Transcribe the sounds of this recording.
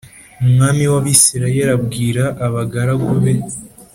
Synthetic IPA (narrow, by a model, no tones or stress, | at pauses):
umŋaːmiwaβisiɾajeɾabɡiːɾaʔːβaɡaɾaɡoβe̞